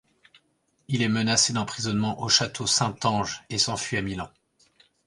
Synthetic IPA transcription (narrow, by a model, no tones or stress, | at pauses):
ilɛmənased̪ɑ̃pχizɔnmɑ̃ʔoʃat̪ʰosɛ̃t̪ɑ̃ʒesɑ̃fɥiamilɑ̃